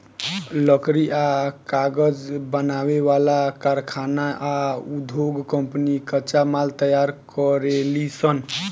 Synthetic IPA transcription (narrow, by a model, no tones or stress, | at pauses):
ləkɾiʔakaɡəd͡ʒbənaweʋalakaɾkʰanaʔaud̪ʱjoɡkəmpnikət͡ʃamalt̪əjaɾkəɾelisən